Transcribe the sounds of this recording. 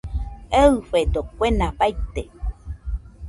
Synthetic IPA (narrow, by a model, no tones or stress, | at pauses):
eɨɸed̪okʷenapajt̪e